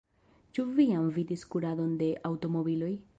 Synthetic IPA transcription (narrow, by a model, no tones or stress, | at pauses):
t͡ʃuvijamvidiskuɾado̞nde̞ʔawto̞mo̞bilo̞j